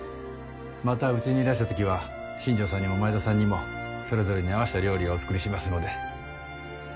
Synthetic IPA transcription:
mat̪aɯ̟t͡sɨiɲiɾaɕi̥t̪at̪o̞kʲiβa | ɕĩɲ̟d͡ʑo̞ːsãɲ̟ːimo̞maezasãɲ̟ːimo̞so̞ɾe̞zo̞ɾe̞ɲ̟iaβ̞aɕi̥t̪aɾʲo̞ːɾʲioːt͡sɨ̥kɯ̟ɾʲiɕimasɨno̞d̪e̞

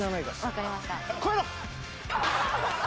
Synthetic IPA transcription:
anaikaβakaɾʲimaɕt̪ako

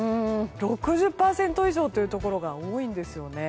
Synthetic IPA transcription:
ɯ̃ːɾo̞kɯ̟ʑɨpːaːsẽ̞nt̪o̞iʑo̞ːt̪ːeiɯ̟t̪o̞ko̞ɾo̞ɡaoːĩnd̪e̞sɨjo̞ne̞

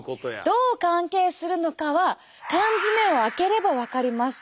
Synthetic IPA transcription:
d̪̥o̞ːkãŋke̞ːsɨɾɯ̟no̞kaβa | kãnzɨme̞o̞ake̞ɾe̞baβakaɾʲimasɨ̥

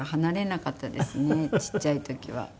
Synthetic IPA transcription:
hanaɾe̞nakat̪ːad̪esɨne̞t͡ɕi̥t͡ɕːait̪o̞kʲiβa̰

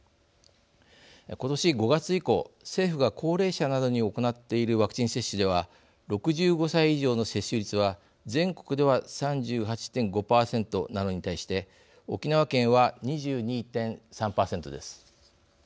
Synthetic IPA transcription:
ko̞t̪o̞ɕiɡo̞ɡat͡sɨiko̞se̞ːɸɯ̟ɡakʰo̞ːɾe̞ːɕanad̪o̞ɲ̟io̞ko̞nat̪ːe̞iɾɯ̟βakɯ̟̥t͡ɕĩɰ̃se̞ɕːɨd̪e̞β̞a | ɾo̞kɯ̟ʑɨːɡo̞saiːʑo̞ːno̞se̞ɕːɨɾʲit͡sɨβa | zẽ̞ŋko̞̥kɯ̟d̪e̞βasãɲ̟d͡ʑɨːɦat͡ɕi̥t̪ẽ̞ŋɡo̞paːsẽ̞nt̪o̞nano̞ɲ̟it̪aiɕi̥t̪e̞ | o̞kʲinaβakẽ̞ɰ̃βaɲ̟iʑɨːɲ̟iːt̪ẽ̞ɰ̃sãmpaːsẽ̞nt̪o̞d̪e̞sɨ̥

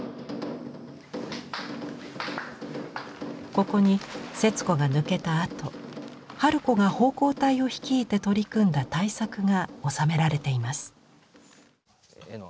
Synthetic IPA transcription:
ko̞ko̞ɲ̟ise̞t͡sɨ̥ko̞ɡanɯ̟ke̞t̪aːt̪o̞ | haɾɯ̟ko̞ɡaho̞ːko̞ːt̪aio̞çi̥kʲiːt̪e̞t̪o̞ɾʲikɯ̟̃nd̪at̪aisakɯ̟ɡao̞same̞ɾaɾe̞t̪e̞imasɨ̥

